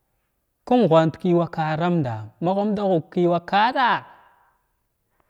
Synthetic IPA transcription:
ku˦ŋ˨ɣʷa˨ntki˦wa˦ka˨ɾa˦mnda˨ma˦ɣu˦m˦da˦ɣu˨kkːi˦wa˦ka˦ɗa˦

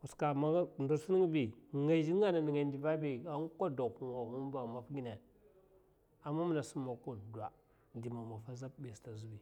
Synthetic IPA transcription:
u˨ska˨ma˦˨ndu˨su˦ni˦ŋ˦bi˨ŋa˦˨d͡ʒi˦a˦na˨ni˨ŋa˨ndi˨va˦bi˨a˦ŋ˦kʷa˦do˨ku˨ma˨mu˦m˦ba˨ma˨fɡi˦na˨ | a˨mːa˦mu˦na˨su˦ma˨ku˦nda˨ | di˨ma˨ma˨fa˦za˦b̚bi˨sta˨zu˦bi˨

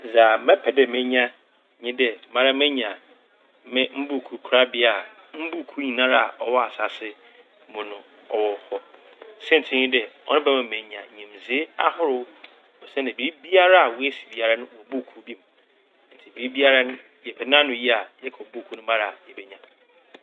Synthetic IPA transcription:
za˨mɛ̃˦pʰɛ˨dɛ˨mɪ̃˦ɲã˦ | ɲĩ˦dɛ˨˦mã˦ɾa˦mɛ̃˦ɲ˨ã˨˦ | mɪ̃˦m̩˦bu˦˨kʰu˨˦kʰu˦ɾa˦bɪ˦a˦˨ | m̩˦bu˦˨kʰu˦ɲĩ˨nã˦ɾa˦˨a˨ʔɔ˨wɔ˦a˨sa˨sɪ˦ | mʊ̃˨nʊ̃˨ | ɔ˨wɔ˨hɔ˦ | sɛ˦n̩˨tʰɪ˨˦ɲĩ˦dɛ˨ɔ̰˦nʊ̃˦bɛ˦mɛ̃˨m˨ẽ˨ɲ˨ã˨ɲĩ˨mzi˨˦e˦a̰˦hʊ˦ɾʊ˨˦ | ɔ˨sɛ˦nã˨bi˨ɾi˦bi˦a˦ɾa˦a˨wɔ˨˦e˦si˨bi˨˦a˨ɾa˦nʊ̃˦wɔ˨bu˦˨kʰu˦bi˦m̃˨˦ | n̩˨tʰɪ˨bi˨ɾi˦bi˦a˦ɾa˦nʊ̃˦ | jɛ˨pʰɛ˨n˦ã˦nʊ̃˨ji˦a˨jɛ˦kʰɔ˨˦bu˦˨kʰu˦nʊ̃˦mã˦ɾa˨jɛ˨bɛ˦ɲã˨

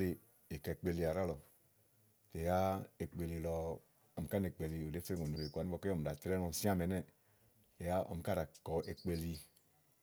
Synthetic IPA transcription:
le˨ | e˨kɛ˨k͡pe˨li˨a˨ɾa˦lɔ˨ | te˨ja˦e˨k͡pe˨li˨lɔ˨ | ɔ˨m̩˨ka˦ne˨k͡pe˨li˨o˨de˦fe˦ŋo˨no˨ɾe˨kʷa˨ni˦ɔ˨ke˦ɔ˨m̩˨da˨tɾɛ˦nɔ˨n̩˨sĩ˦a˦mɛ˨nɛ˦ | e˨ja˦ɔ̰˨m˨ka˦ɾa˨kɔ˨ʔe˨k͡pe˨li˧

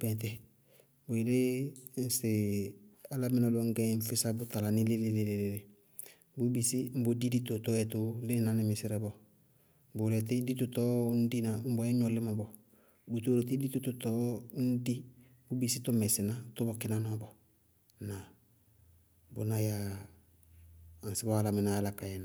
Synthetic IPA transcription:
bɛ̃˨t̬ɛ˨ | bo˨i˨le˦n̩˨sɪ˨ | a˦la˦mɪ˦nɔ˨lɔ˦ŋ̩˦ɡɛ˦ɱ˦fɪ˦sa˦bʊ˦ta˨la˨ni˦lɪ˦lɪ˦le˨le˨le˨le˨ | bu˦bi˨si˦m̩˦bo˨di˦di˦to˨tɔ˦ɛ˨to˦lɪ˦na˦nɪ˨mɪ˨sɪ˦ɾɛ˦bɔ˨ | bʊ˨ɾɛ˨t̬i˦di˦tu˨tɔ˦n̩˦di˦na˨m̩˦bɔ˨˦ɛ˦ɲɔ˨lɪ˦ma˨bɔ˨ | bu˨t̪o˦ɾe˨t̬i˦di˦tu˦t̪u˨tɔ˦n̩˦di˦ | bu˦bi˦˨si˦tɔ˦mɛ˨sɪ˨na˦to˦bɔ˨kɪ˦na˦nɔ˦bɔ˨ | na˨ | bo̰˨na˦ja˨ | nsɪ˦bɔ˦a˦˨la˨mi˨naː˨˦la˨ka˨jɛ˨na˨

